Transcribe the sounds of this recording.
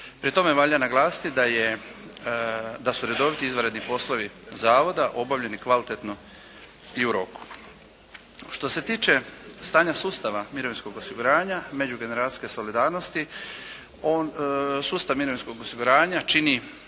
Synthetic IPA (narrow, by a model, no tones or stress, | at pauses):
pɾit̪o̞me̞ʋaʎanaɡlˠaːsi̥t̪id̪aje | d̪asuɾe̞d̪o̞ʋit̪iizʋaɾe̞d̪nipo̞slˠoʋi | zaːʋo̞d̪aʔo̞baʋʎe̞nikʋalit̪e̞t̪no | iuɾo̞ku̥ | ʃt̪o̞se̞t̪iːt͡ʃe̞st̪aːɲasuːst̪aʋamiɾo̞ʋinsko̞ɡosiɡuɾaːɲame̞d͡ʑuɡe̞neɾaːi̥ske̞so̞lid̪aːɾno̞st̪i | oːnsuːst̪aʋmiɾo̞ʋinsko̞ɡosiɡuɾaːɲat͡ʃini